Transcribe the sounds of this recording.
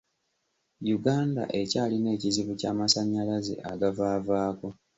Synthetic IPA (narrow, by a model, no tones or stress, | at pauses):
juɡaːnda̰ʔe̞caːline̞ːciziβucaːmasaɲːalaze̞̰ʔa̰ɡavaːvaːko̞